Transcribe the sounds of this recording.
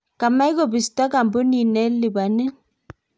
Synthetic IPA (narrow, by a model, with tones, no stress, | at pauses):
ka˨ma˦i˦ko˦bi˨stɔ˦ka˨mbo˦ni˨nɛ˦li˨ba˨nɪ˦n